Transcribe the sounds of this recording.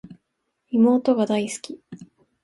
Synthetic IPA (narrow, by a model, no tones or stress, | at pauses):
imo̞ːt̪o̞ɡad̪aisɨ̥kʲi